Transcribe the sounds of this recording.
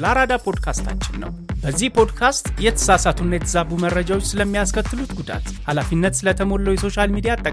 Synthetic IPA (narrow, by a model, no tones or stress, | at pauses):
laɾad̪apʰo̞d̪kʰast̪ʰa̰t͡ʃːɪnːə̰wbəzːihpʰo̞d̪kʰast̪jɛt̪ʰə̥sasat̪ʰunːajɛt̪ʰəzabuməɾəd͡ʒawot͡ʃːsɨləmːijaskʰət̪ːɨlut̪ɡud̪a̰t̪halafinːət̪sɨlət̪ʰəmo̞lːəwjɛso̞ʃalmid̪ijat̪ʼːəkʼ